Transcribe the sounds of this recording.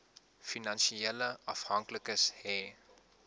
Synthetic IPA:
finãnʃiɛləafhãŋkləkəshɛː

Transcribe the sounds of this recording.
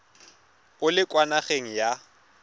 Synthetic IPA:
ʊlɪkʼwanaχeŋ̩ja

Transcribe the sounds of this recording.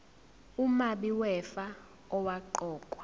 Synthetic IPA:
umaɓiwɛfa | ɔwaǃɔːkʼwḁ

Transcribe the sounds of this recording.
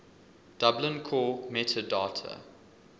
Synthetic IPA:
d̥ablə̃nkʰɔːmɛtʰədɑːtʰə̰

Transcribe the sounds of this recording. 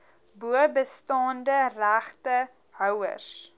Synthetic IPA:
buəbəstɑːndəræχtə | ɦœwə̰s

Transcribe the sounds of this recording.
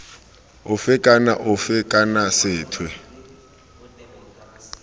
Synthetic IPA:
ʊfɪkʼana̰ʔʊfɪkʼanasɪːtʰwɛ

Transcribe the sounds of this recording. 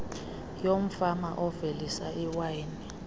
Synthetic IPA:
jom̩famaʔɔvelisaiwajni

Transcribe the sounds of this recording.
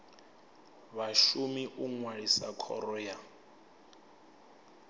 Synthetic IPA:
βaʃumiʔuŋwaɺisakʰɔ̰ɾɔːja

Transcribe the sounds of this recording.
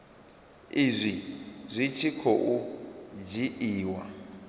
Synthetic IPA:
izʷizʷit͡ʃʰikʰoʔud͡ʒiʔiːwa

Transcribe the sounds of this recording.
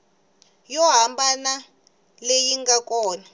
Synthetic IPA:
jɔɦambana | lejiŋɡakɔːna

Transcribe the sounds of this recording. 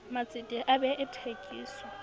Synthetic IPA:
mat͡sʼɪtʼɪʔabɛʔɪtʰekʼḭːsɔ

